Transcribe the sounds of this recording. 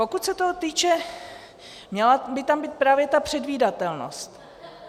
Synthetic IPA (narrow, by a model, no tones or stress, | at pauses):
po̞kut̪sɛt̪ot̪iːt͡ʃɛ | mɲɛlabɪt̪ambiːt̪̚pɾaːvjɛt̪apr̝̥ɛdviːdat̪ɛlno̞̰st̪